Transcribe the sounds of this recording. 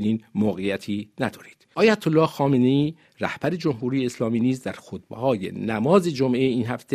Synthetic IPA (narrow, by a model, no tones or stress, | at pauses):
niːnmoːɣejæt̪ʰiːnæd̪ɒːɾiːd̪̥ʔɒːjæt̪ʰolːɒːhxɒːmeneiː | ræ̰hb̥æɾe̞d͡ʒo̞mɦuːɾiːjeːslɒːmiːniːzd̪æɾxot̪behɒːjḛnæmɒːze̞d͡ʒomʔeiːnhæft̪ʰe